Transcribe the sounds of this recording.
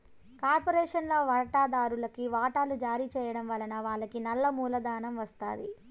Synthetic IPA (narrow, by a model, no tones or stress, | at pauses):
kaːɾpoɾɛːʂɐnloːʋɐɾɐʈaːd̪aːɾulɐkiʋaːʈaːlud͡ʒaːɾit͡ʃɛːjɐɽɐmʋɐlɐnɐʋaːɭːɐkinɐlːɐmuːlɐd̪aːnɐmʋɐst̪a̰ːd̪ḭ